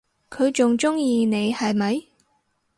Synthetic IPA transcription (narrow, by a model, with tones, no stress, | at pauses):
kʰɵ˨˧ɥt͡sʊ˨ŋt͡sʊ˥ŋjiː˨ne˨˧jhɐ˨jmɐ˨˧j